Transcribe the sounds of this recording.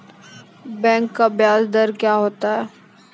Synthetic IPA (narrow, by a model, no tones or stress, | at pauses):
bɛ̃ːŋkːabjaːzd̪əɾkjaːɦoːt̪aɦɛː